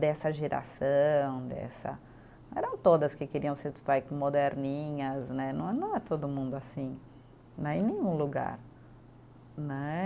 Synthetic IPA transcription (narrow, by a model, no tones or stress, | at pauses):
d̪ɛsɐʒeɾa̰sɐ̃w̃d̪ɛ̰sɐ̰̃ | ɛɾɐ̃w̃t̪od̪ɐskɪkeɾiɐ̃w̃set̪t̪ajkõmod̪ɛɾnĩɲɐznɛnɐ̃w̃nɐ̃w̃ɛt̪od̪ʊmũnd̪ʊasĩ | nɛ̃ẽj̃nẽj̃ũluɡa̰ɾ | nɛ